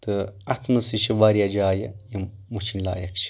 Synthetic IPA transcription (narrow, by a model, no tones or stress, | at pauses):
t̪ɨɐt̪ʰmɨsiʃiʋaɾijad͡ʒaːjɐjimut͡ʃʰinʲla̰ːjɐkt͡ʃʰi̥